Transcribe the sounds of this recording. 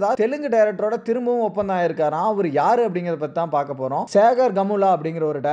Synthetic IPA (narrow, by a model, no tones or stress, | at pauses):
ðaːt̪ɛlɯŋɡɯɖɐɪɾɛk̚ʈɾoːɽɐt̪ɪɾɯmbɯʋʊ̃ɔpːɐnd̪aːɪɾɯkːaːɾãːɐʋɐɾɯjaːɾɯɐp̬ːɐɽɪŋɡɪɾɐðɐpːɐt̪ːit̪ãːpaːɾkɐpːoːɾõːseːɣɐɾɡɐmuːlaːɐp̬ːɐɽɪŋɡɪɾɐɔɾɯɖɐ